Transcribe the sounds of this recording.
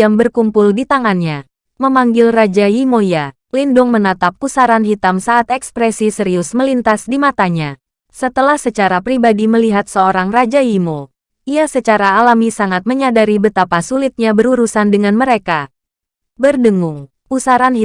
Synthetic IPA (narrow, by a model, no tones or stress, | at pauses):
jaŋbərkumpʊldit̪aŋanɲa | məmaŋɡɪlrad͡ʒajimoja | lindʊŋmənat̪ap̚ːusaɾanɦit̪amsaʔːt̪ɛkspɾɛsisəɾiʊsməlint̪asdimat̪aɲa | sət̪əlahsət͡ʃaɾapɾibadiməliɦat̪̚səoɾaŋrad͡ʒajimo | ʔiasət͡ʃaɾaːlamisaŋat̪̚məɲadaɾibət̪apasulit̪̚ɲabəɾuɾusandəŋanməɾeka | bərdəŋʊŋ | pusaɾan